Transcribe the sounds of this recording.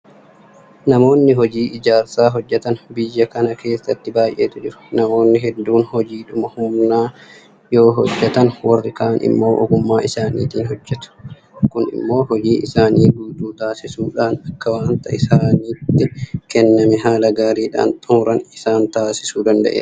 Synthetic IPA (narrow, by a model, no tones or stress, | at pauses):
nɐmo̞ːnːɪɦɔd͡ʒiːʔɪd͡ʒaːɾsaːɦɔd͡ʒːɛt̪ɐnbɪjːɐkɐnɐkʰe̞ːsːɐt̪ːɪbaːjʔeːt̪ʊd͡ʒɪɾʊ̥nɐmo̞ːnːɪɦɛd̪ːuːnhɔd͡ʒiːᶑʊmɐhʊmnaː | jo̞ːɦɔd͡ʒːɛt̪ɐnwɐrːɪkaːnʔɪ̰mːo̞ːʔɔɡʊmːaːʔɪsaːnḭːt̪iːnɦɔd͡ʒːɛt̪ʊ̥ | kʊnɪ̰mːo̞ːɦɔd͡ʒiːʔɪsaːniːɡuːd̪uːt̪aːsɪsuːᶑaːnɐkːɐwaːnt̪ɐɪsaːniːt̪ːɪkɛnːɐmɛɦaːlɐɡaːɾiːᶑa̰ːnt̪ʼʊmɾɐnɪsaːnt̪aːsɪsuːd̪ɐnd̪ɐ̰ʔḛː